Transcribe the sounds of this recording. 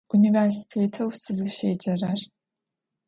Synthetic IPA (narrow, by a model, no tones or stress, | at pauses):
ʔunivɛɾsi̥tʰeːtʰɐwsɨzɨʃeːd͡ʒɐrɐr